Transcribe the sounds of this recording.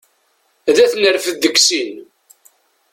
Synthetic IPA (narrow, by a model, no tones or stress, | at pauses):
ðæθnəɾfəðdəkːsin